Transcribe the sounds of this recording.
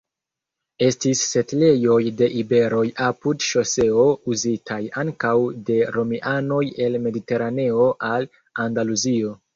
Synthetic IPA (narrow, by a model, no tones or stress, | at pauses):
e̞stisːe̞tle̞jo̞jde̞ʔibe̞ɾo̞japudʃose̞ouzitʰajaŋkawde̞ɾo̞miʔano̞je̞lme̞dite̞ɾane̞o̞ʔal | andaluzio̞